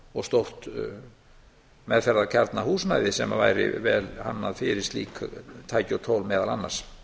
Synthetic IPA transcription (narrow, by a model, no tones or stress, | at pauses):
ɔɣst̪owht̪ | mɛðfɛɾðacʰaɾt̪nahuːsmajðɪsɛmavaːjɾɪ̰vɛːlhanːaðfɪɾɪst̪lḭːkʰt̪ʰaːjcɔt̪ʰoːwlmɛːðalanːaɾs